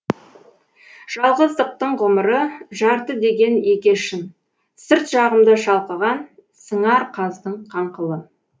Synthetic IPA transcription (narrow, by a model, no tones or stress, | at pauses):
ʒ̥ɑlˠʁəzd̪əq̚t̪əɴʁʊməɾəʒɑɾt̪əd̪e̞ɡʲe̞nekʲe̞ʃɪn | sɪɾt̪ʒɑʁəmd̪əʃɑlˠqəʁɑn | səɴɑɾqʰɑzd̪əɴqʰɑɴqəlˠə